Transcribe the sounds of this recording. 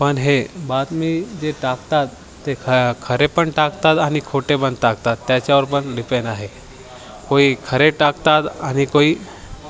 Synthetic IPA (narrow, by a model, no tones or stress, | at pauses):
pənɦebaːd̪mid͡ʒeʈakt̪at̪ː | ekʰəɾepəɳʈakt̪at̪aːnikʰoʈebənt̪akt̪at̪ːjat͡ɕaɔːɾpəɳlɪpenaɦe | koːikʰəɾeʈakt̪at̪anikoi